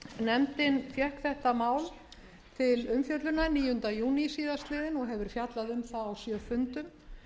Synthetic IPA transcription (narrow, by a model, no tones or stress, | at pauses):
nɛmt̪ɪnfjɛhkθɛht̪amaːwl | t̪ʰɪlʏmfjœt̪lʏnaniːjʏnt̪ajuːnisiːðast̪lɪːðɪnɔɣɦɛvʏɾ̥fjat̪laðʏmθaawsjœːfʏnt̪ʏm